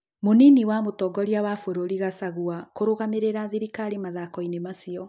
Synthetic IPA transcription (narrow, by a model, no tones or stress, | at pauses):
moniniwamotɔɡɔɾiawafoɾoɾiɣasaɣuakoɾoɣameɾeɾaðiɾikaɾimaðakɔinemasiɔ